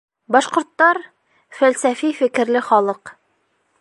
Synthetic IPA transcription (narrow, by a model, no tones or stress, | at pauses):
bɒʃqŏɾt̪ːɑɾ | fælsæfifɘ̆kɘ̆ɾlɘχɒlˠɤq